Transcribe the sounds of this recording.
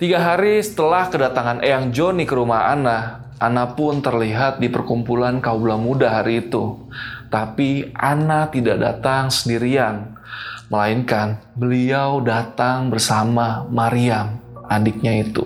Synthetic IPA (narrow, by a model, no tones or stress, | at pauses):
t̪iɡaɦaɾisə̥t̪əlahkədat̪aŋanʔejaŋd͡ʒonikəɾumaha̰na | ʔanapʊnt̪ərliɦat̪̚dipərkumpulankaublamudaɦaɾiːt̪u | t̪apiʔanat̪idaʔda̰t̪aŋsəndiɾian | məlaɪnkanbəliawdat̪aŋbərsamamaɾiamadɪk̚ɲait̪ṵ